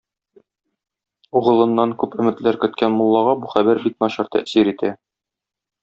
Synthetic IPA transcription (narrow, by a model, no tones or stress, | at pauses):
uʁɤ̆lˠɤ̆nːɑŋkʉpɵ̆mɘ̆t̪læɾkɵ̆t̪kænmŭlˠːɑʁɑbuχæbæɾbiknɒɕɑɾt̪æ̰ʔsiɾit̪æ